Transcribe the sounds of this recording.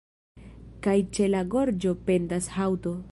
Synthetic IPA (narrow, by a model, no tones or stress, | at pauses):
kajt͡ʃe̞laɡo̞ɾd͡ʒo̞pe̞ndashawto̞